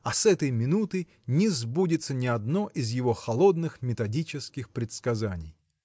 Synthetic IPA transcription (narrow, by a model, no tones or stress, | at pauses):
ɐsɛt̪əjmʲɪnut̪ɨj | nʲɪzbudʲɪt̪sənʲɪɐd̪no̞ʔɪzjɪvo̞xɐlˠo̞d̪nɨxmʲɪt̪ɐdʲit͡ɕɪskʲɪxpɾʲɪt̪skɐzanʲɪj